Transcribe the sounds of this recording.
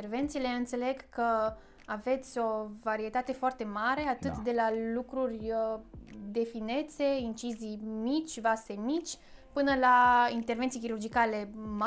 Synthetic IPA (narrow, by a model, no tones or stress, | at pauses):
erve̞nt̪sile̞ɨnt̪se̞le̞ɡkə | ave̞t̪sʲo̞vaɾie̞t̪at̪e̞foart̪e̞maɾe̞at̪ɨt̪d̪e̞lalukɾurʲ | d̪e̞fine̞t̪se̞int͡ʃizijmit͡ʃʲvase̞mit͡ʃʲpɨnəlaint̪e̞rvet̪sijkʲiɾurd͡ʒikale̞m